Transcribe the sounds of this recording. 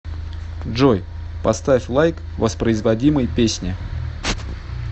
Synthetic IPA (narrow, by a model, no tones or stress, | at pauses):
ʐoj | pɐst̪afʲlˠajk | vəspɾəɪzvɐdʲiməjpʲesʲnʲɪ